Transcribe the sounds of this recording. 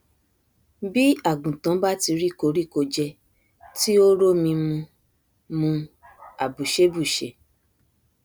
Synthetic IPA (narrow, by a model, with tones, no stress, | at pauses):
bi˦a˦˨ɡũ˨tã˨˦ba˦ti˧ɾi˦˨ko˧˦ɾi˦˨ko˧d͡ʒɛ˧ | ti˦o˦ɾo˦mĩ˧mũ˧ | mũ˧ | a˨bu˨ʃe˨˦bu˦˨ʃe˨